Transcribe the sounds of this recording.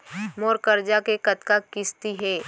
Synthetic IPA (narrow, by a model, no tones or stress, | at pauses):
moːɾkəɾd͡ʒakekɐt̪kakɪst̪iɦɛː